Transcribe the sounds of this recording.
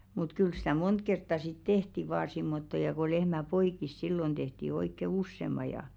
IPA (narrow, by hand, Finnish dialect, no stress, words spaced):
mut kyl stæ mont kertːɑ sit tehti ʋɑː simːotːo jɑ ko lehmæ poikˑis silːon d̥ehti oikːe usːemˑɑ jɑ